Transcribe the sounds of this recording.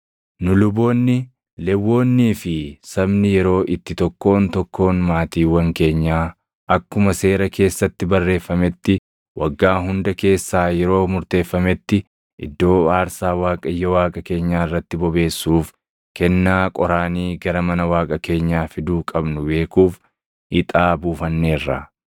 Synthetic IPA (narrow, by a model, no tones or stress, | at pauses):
nʊlʊbo̞ːnːɪ | lɛwːo̞ːnːiːfɪsɐbnɪjɛɾo̞ːʔɪt̪ːɪt̪ɔkːo̞ːnt̪ɔkːo̞ːnmaːt̪iːwɐŋke̞ːɲːaː | ʔɐkːʊmɐse̞ːɾɐke̞ːsːɐt̪ːɪbɐrːe̞ːfːɐmɛt̪ːɪ | wɐɡːaːɦʊnd̪ɐke̞ːsːaːjɛɾo̞ːmʊɾt̪e̞ːfːɐmɛt̪ːɪ | ʔɪ̰d̪ːo̞ːaːɾsaːwaːkʼɐjːɐwaːkʼɐke̞ːɲːaːɪrːɐt̪ːɪbɔbe̞ːsːuːf | kɛnːaːkʼɔɾaːniːɡɐɾɐmɐnɐwaːkʼɐke̞ːɲːaːfɪd̪uːkʼɐbnʊbe̞ːkuːf | ʔɪt̪ʼaːbuːfɐnːe̞ːrːɐ̰